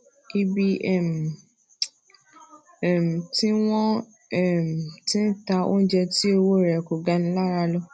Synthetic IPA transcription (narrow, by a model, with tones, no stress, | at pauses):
ki˦bi˧ɛ˦˨m̩˨ | ɛ˨m̩˨tĩ˦w̃ɔ̃˦ | ɛ˨m̩˨tĩ˦n̩˦ta˧o̰˦d͡ʒɛ˧ti˦e˧wo˦˨ɾɛ˨ko˨ɡa˧nĩ˦la˦˨ɾa˧lɔ˧